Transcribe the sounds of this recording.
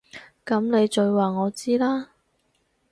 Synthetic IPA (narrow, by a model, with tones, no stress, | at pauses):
kɐ˨˧˥mne˨˧jt͡ʃɵ˨˧ɥwaː˨ŋɔː˨˧t͡siː˥laː˥